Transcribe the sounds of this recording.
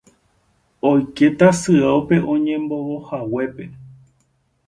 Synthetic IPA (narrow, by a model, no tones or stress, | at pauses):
ojke̞t̪asɨawpe̞ʔõ̞ɲẽmbo̞wohawe̞pe̞